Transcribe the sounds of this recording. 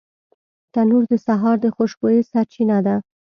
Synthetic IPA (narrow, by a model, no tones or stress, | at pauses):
t̪anuɾd̪əsaɦɑɾd̪əxoʃbojesaɾt͡ʃinad̪a